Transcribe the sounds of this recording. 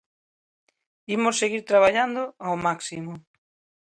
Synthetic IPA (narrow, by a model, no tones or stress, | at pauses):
imosːeɣiɾt̪ɾaβ̞aʎand̪oawmaksimʊ